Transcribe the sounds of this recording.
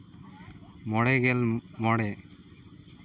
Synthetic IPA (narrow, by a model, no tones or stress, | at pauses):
mɔɽɛɡɛlmɔɽɛ